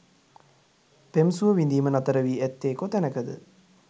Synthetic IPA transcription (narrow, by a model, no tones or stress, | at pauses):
pemsuʋəʋind̪iːmənɐt̪əɾəʋiːæt̪ːeːkot̪ænəkəd̪ə̰